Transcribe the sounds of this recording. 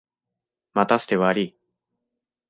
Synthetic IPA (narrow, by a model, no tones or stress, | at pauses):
mat̪asɨ̥t̪eβaɾʲi